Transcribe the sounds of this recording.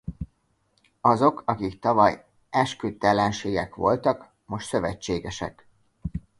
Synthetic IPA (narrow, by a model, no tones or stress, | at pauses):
ɒzo̞kɒkikt̪ɒvɒj | ɛʃkøt̪ɛlɛnʃeːɡɛkʋo̞̰lt̪ɒk | mo̞ʃt̪sø̞vɛt͡ʃːeːɡɛʃɛ̰k